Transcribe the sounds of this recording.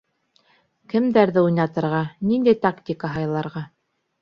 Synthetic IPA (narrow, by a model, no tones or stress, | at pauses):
kɘ̆md̪æɾðɘujnɑt̪ɤ̆ɾʁɑnind̪æjt̪akt̪ʲikaɦɑjlˠɑɾʁɑ